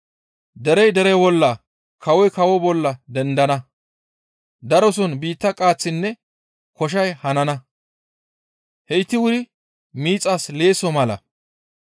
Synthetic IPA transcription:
d̪ɛɾɛjd̪ɛɾɛbɔlːɐ | kʰɐwɔjkɐwɔbɔlːɐd̪ɛnd̪ɐnɐ | d̪ɐɾɔs̬ɔnbiːt̪ːɐkʼaːt͡sːɪnːɛ | kɔʃ̬ɐjhɐnɐnɐ | hɛɪt̪ːɪwʊɾɪ | miːt͡sʼːasle̞ːsɔmɐlɐ̰

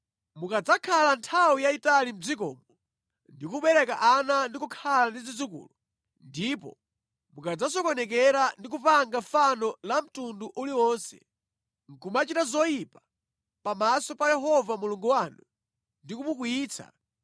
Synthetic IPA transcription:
mukad͡zakʰalantʰawujaitalim̩d͡zikɔ̰mɔ | ndikuɓɛɾɛkaʔanandikukʰalandid͡zid͡zukṵːlu | ndipɔ̰ | mukad͡zas̬ɔkwɔnɛk̬ɛɾandik̬upaŋɡafanɔlam̩tunduʔuliwɔnsɛ̰ | ŋ̩kumat͡ʃitazɔjipa | pamasɔpajɛɦɔvamuluŋɡuwanu | ndikumuk̬ujiːt͡sʰa̰

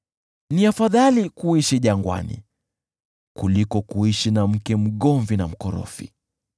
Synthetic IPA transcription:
niafaðalikuiʃiʄaŋɡwa̰nḭ | kulikɔkuiʃinam̩kɛm̩ɠɔɱvinam̩kɔɾɔ̰fḭ

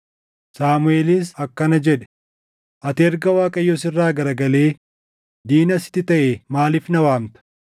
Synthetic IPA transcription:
saːmʊeːliːs̬ɐkːɐnɐd͡ʒɛᶑɛ̥ | ʔɐt̪ɪɛɾɡɐwaːkʼɐjːɔsɪrːaːɡɐɾɐɡɐleː | d̪iːnɐsɪ̥t̪ːɪt̪ɐʔeːmaːlɪfnɐwaːmt̪ɐ̥

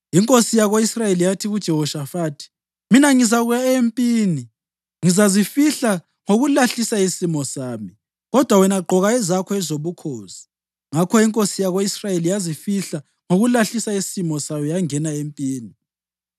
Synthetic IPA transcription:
iŋkʼosijaɣoisrajelijatʰiɣud̥ʒ̥ʱɛɦɔʃafaːtʰi̥ | minaŋizaɣujaempʼiːni | ŋizazifiɬa | ŋoɣulaɬisaisimɔsaːmi | ɣɔd̥ʱwawɛnaɡ͡ǃʱɔɣaɛzakʰɔɛzoβukʰoːsi̥ | ŋakʰɔiŋkʼosijaɣoisrajelijazifiɬa | ŋoɣulaɬisaisimɔsajɔjaŋɛnaempʼiːni

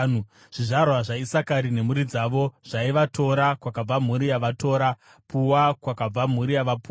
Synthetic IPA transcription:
u | ʐ̥iʐarwaʐaisakaɾine̞muɾid͡zaʋo̞ʐ̥aiʋatʰo̞ːɾakwakab͡vam̤uɾijaʋatʰoːɾa | pʰuwakwakab͡vam̤uɾijaʋapu

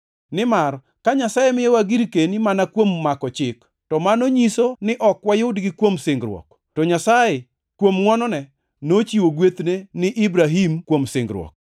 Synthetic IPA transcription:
nɪmaɾ | kaɲasajemɪjɛwaɡiɾkenimanakwomːakɔt͡ʃɪk | tɔmanoɲisonɪʔɔkwajʊdɡɪkwomsɪŋɡɾwɔ̰k | tɔɲasaje | kwomŋwɔnɔnɛ | not͡ʃiwoɡwet̪nenɪʔibɾaɦimkwomsɪŋɡɾwɔ̰k̚

